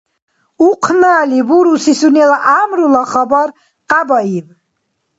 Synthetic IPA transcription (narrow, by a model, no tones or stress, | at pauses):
uqʰnaːlibuɾusisunɛlaʔamɾulaχabaɾ | qʼabaiv